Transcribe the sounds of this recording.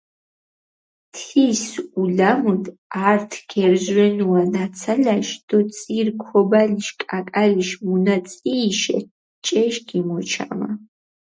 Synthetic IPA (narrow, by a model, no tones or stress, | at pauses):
t̪ʰisulamud̪aɾt̪ʰɡɛɾzwɛnuanat̪sʰalaʃd̪̥ɔt̪sʼiɾkʰɔbaliʃkʼakʼaliʃmunat̪sʼiːʃɛ̰ | t͡ʃʼɛʃɡimɔt͡ʃʰama̰